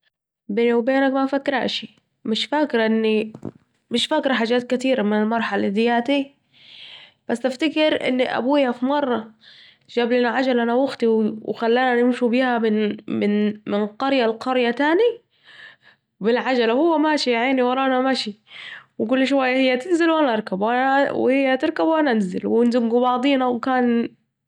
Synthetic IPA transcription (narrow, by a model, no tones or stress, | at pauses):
benwbeːnakmafakːɾa̰ːʃi | mɪʃfakɾˤʔɪnːi | mɪʃfakɾˤħaːd͡ʒaːt̪̚kat̪iːɾamɪnɪlmɑɾˤħalad̪ɪjaːt̪i | b̥asːaft̪akɪɾʔɪ̰nːiʔa̰buːjafimɑrˤːɑ | d͡ʒaːbliːnaʕad͡ʒalʔanawʊxt̪iwwxalːaːnanɪmʃubiːhamɪmɪnmɪnqɑɾjalqɑɾjat̪aːni | bɪlʕad͡ʒalahʊwːamaːʃijaʕiːniwɑɾˤɑːʔanamaʃiwɪk̬ʊlːʃwajːahɪjːat̪ɪnzɪlwʔanaʔɑɾˤkabwʔanawhɪjːat̪ɪɾˤkabwʔanaʔzɪ̰lwɪnzɪbɡubɑʕd̪ˤiːnawkaːn